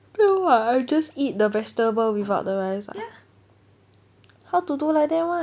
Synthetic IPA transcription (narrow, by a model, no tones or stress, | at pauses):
pɛwaajd͡ʒasit̚dəvɛstəbəlwivaʊt̚dəɹajsa̰ | hawtudulajk̚dɛ̃wã